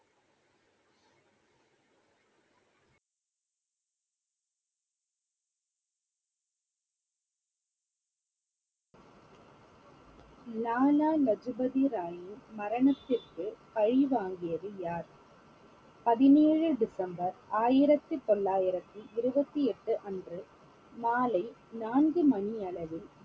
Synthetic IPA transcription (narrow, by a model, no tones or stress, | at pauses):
naːlaːlɐd͡ʒɯbɐðiɾaːjɪnmɐɾɐɳɐt̪ːɪrkɯpɐɻiʋaːŋɡɪjɐðɯjaːɾ | pɐðɪneːɻɯɖɪsɐmbɐɾaːjɪɾɐt̪ːɯt̪ɔlːaːjɪɾɐt̪ːɯʔɪɾɯbɐt̪ːiɛʈːɯʔɐndrɯ | maːlɐɪnaːnɡɯmɐnɪɐɭɐʋɪl